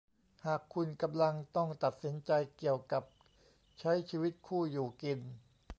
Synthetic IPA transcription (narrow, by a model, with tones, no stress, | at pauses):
haː˨˩kʰːu˧nka˧mla˧ŋt̪ɔ˥˩ŋt̪a˨˩t̪̚si˩˦nt͡ɕa˧jki˨˩əwka˨˩p̚ | t͡ɕʰa˦˥jt͡ɕʰiː˧wi˦˥t̪̚kʰuː˥˩juː˨˩ki˧n